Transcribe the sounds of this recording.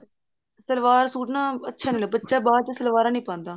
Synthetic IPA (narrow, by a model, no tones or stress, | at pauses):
səlʋaːɾsuːʈnãːətːʃʰaːneːlobətːʃaːbaːt͡ʃəsəlʋaːɾãːnĩːpãːnd̪aː